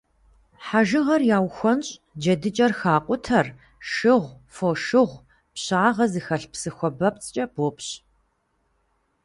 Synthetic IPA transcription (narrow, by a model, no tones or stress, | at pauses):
ħaʒɨʁɐrjaːwxʷɔnɕʼ | d͡ʒɐdɨt͡ʃʼɐrxaːqʷʼʊtʰɐr | ʃɨʁʷfoːʃɨʁʷ | pɕaːʁɐzɨxɐɬpsɨxʷɔbɐp̚t͡sʼt͡ʃʼɐboːpɕ